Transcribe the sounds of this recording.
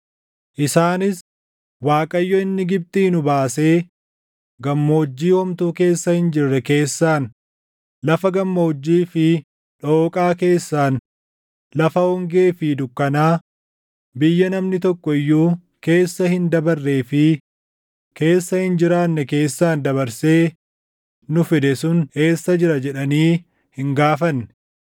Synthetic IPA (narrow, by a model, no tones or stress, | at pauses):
ʔɪsaːnɪs | waːkʼɐjːɔɪnːɪɡɪb̚t̪inʊbaːse̞ː | ɡɐmːo̞ːd͡ʒːiːhɔmt̪uːke̞ːsːɐhɪnd͡ʒɪrːɛke̞ːsːaːn | lɐfɐɡɐmːoʊd͡ʒːiːfɪ | ᶑoːkʼaːke̞ːsːaːn | lɐfɐhɔŋɡe̞ːfɪd̪ʊkːɐnaː | bɪjːɐnɐmnɪt̪ɔkːɔɪjːuː | ke̞ːsːɐhɪnd̪ɐbɐrːe̞ːfɪ | ke̞ːsːɐhɪnd͡ʒɪɾaːnːɛke̞ːsːaːnd̪ɐβɐɾse̞ː | nʊfɪd̪ɛsʊnhe̞ːsːɐd͡ʒɪɾɐd͡ʒɛᶑɐniː | hɪŋɡaːfɐnːɛ̥